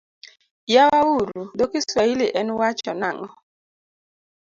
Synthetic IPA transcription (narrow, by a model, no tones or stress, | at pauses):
jawauɾudokɪswailɪʔɛnwat͡ʃɔna̰ŋɔ